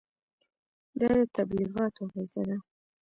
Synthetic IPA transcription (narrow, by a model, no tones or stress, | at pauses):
d̪ɑd̪ət̪abliɣɑt̪ʰoɣazad̪a